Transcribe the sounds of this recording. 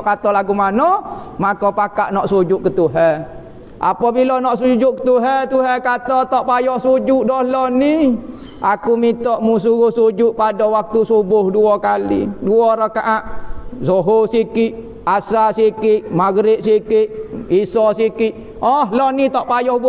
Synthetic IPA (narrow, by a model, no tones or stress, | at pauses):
ʔkat̪ɔlaɡumanɔmakɔpakaʔnɔʔsud͡ʒʊʔkət̪uɦɛ | ʔa̰pɔbilɔnɔʔsud͡ʒʊʔkə̥t̪uɦɛt̪uɦɛkat̪ɔt̪ɔʔpajɔhsud͡ʒuʔdɔhlɔni | ʔakumit̪ɔʔmus̬uɣuhsud͡ʒʊʔpadɔwak̚t̪usubʊhduɔkalḭduɔɾakaʔaʔsoɦosikiʔ | asasikɪʔmaɡɾɪʔ̪̚sikɪʔisɔsikiʔ | ɔhlɔnit̪ɔʔpajɔhb